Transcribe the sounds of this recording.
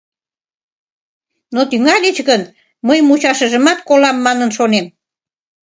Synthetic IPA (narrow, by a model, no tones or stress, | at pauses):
not̪yŋɑlʲet͡ɕɣən | məjmut͡ɕɑʃəʒəmɑt̪kolɑmːɑnənʃonem